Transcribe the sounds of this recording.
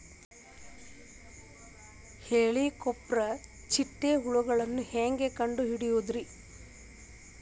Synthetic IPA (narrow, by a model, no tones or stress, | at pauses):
heːɭikopːɾɐ | t͡ʃiʈːeɦuɭuɡɐɭɐnːuheːŋɡekɐɳɖuɦiɽijuːd̪ɾi